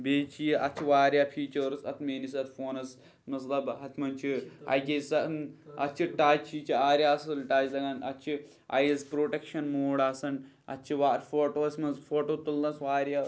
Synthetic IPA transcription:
beːt͡ʃijiʔɐt͡ʃʰiʋaːɾʲjaːpʰiːt͡ʃɐɾsɐt̪ʰmeːnis̬ɐt̪ʰfoːnɐs | mɐslɐbɦɐt̪ʰmɐnt͡ʃʰia̰ːjkʲesɐnɐt͡ʃʰiʈaːt͡ʃʰit͡ʃʰiaːɾʲjaːsɨlʈaːt͡ʃlɐɡɐnɐt͡ʃʰi | ɐ̰jizpɾoːʈekʃɐnmoːɽaːsɐn | ɐ̰t͡ʃʰiʋaːɾfoːʈoːsʲmɐzfoːʈoːt̪ulːɐsʋaːɾjaː

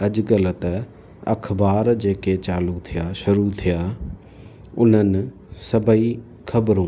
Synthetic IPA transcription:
ɐʄɡələt̪ɐ | ɐ̰kʰbaːɾd͡ʑeːket͡ɕaːlut̪ʰijaʃʊɾut̪ʰijaː | ʊn̤ənɪ̆ | sɐbʱəi | kʰɐbɾũː

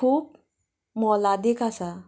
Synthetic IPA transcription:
kʰuːp̚ | mɔlad̪ikasa

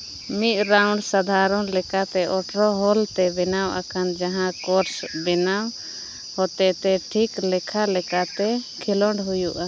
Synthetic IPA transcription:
mit̪̚ˀɾawɳɖsad̪ʱaɾɔnlɛkat̪ɛʔɔʈɾɔɦɔlt̪ɛbɛnawʔa̰kʰand͡ʒaɦãkɔɾsbɛnaw | hɔt̪ɛʔt̪ɛʈʰiklɛkʰalɛkat̪ɛkʰilɔɳɖɦujuʔa

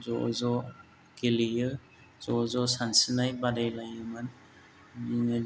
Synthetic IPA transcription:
zɔzɔ | kelijɯ | z̥ɔzɔsansinajbadajlajɯman | n

